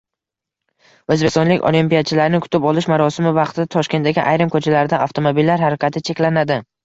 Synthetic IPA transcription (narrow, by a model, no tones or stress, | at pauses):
ɵzbekst̪ɒnlɪkʲo̰limpijat͡ʃʰɪlaɾɪnɪkʰʊ̥t̪ʰɪpɒlɪʃmaɾɒsɪmɪvɑqt̪ʰɪd̪at̪ʰɒʃkʲe̞nt̪̚ːaɡʲɪ̰ʔajɾɪmkʰɵt͡ʃʰalaɾd̪aaft̪ʰo̞mobilːaɾɦaɾakʲat̪ʰɪt͡ʃʰe̞kʲlanad̪ɪ